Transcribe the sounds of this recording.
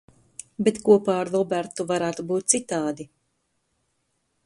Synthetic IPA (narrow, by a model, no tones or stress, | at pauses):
bet̪kuɔpaːɾlˠɔbæɾt̪ːuvaɾaːt̪ubuːt̪̚tsit̪aːd̪i